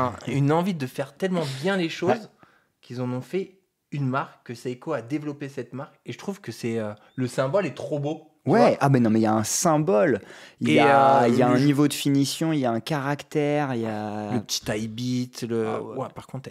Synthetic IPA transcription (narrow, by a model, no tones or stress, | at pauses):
ynɑ̃vid̪əfɛʁt̪ɛlmɑ̃bjɛ̃leʃoz | kʲilzɑ̃nɔ̃fɛ | ynmaʁkːəsaikoad̪evlɔpesɛt̪maʁkeʒət̪χuvkəsɛø | ləsɛ̃bɔlɛt̪χobo | wɛabɛnɔ̃mɛiljaɛ̃sɛ̃bɔliljailjaɛ̃nivod̪əfinisjɔ̃iljaɛ̃kaʁakt̪ɛʁiljaləpə̥t̪ʰi̥t̪ajbit̪ləapaʁkɔ̃t̪